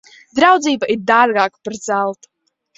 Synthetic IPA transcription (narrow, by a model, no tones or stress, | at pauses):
d̪ɾawd̪ziːbaʔiɾd̪aːrɡaːkparzælˠt̪